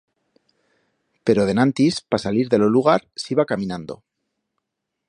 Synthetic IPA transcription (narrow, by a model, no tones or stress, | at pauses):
pe̞ɾo̞ð̞e̞nãnt̪ispasaliɾðe̞lo̞luɣ̞aɾsiβakamĩnãnd̪o̞̰